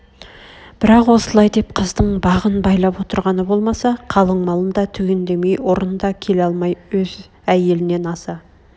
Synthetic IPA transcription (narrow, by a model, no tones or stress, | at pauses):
b̥ɪɾɑqwo̞səlˠɑjd̪e̞p̚qʰəzd̪əɴbɑʁənbɑjlˠɑpwo̞t̪əɾʁɑnəbo̞lˠmɑsɑqʰɑlˠəɴmɑlˠəmd̪ɑt̪ʰʏɡʲend̪e̞me̞jwo̞ɾənd̪ɑkʲʰe̞lɑlˠmɑjwɵz | æje̞lɪne̞nɑsɑ